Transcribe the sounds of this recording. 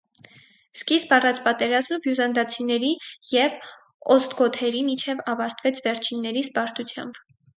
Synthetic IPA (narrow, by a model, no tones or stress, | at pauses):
skisbɑrɑt͡spɑt̪ɛɾɑzməvjuzɑnd̪ɑt͡sʰinɛɾijɛv | ɔst̪ɡɔt̪ʰɛɾimit͡ʃʰɛvɑvɑɾt̪ʰvɛt͡sʰvɛɾt͡ʃʰinːɛɾizbɑɾt̪ut͡sʰjɑ̰mb̥